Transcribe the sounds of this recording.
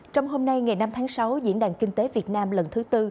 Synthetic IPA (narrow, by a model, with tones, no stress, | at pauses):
t͡ɕɔ˧wŋ͡mɦo˧mna˧jŋa˨˩jna˧mt̪ʰaː˨˦ŋsa˨˦wzḭ˧˥ənɗaː˨˩ŋkï˧ŋ̟t̪e˨˦vi˨˩ət̚naː˧mlə˨˩nt̪ʰɨ˨˦t̪ɨ˧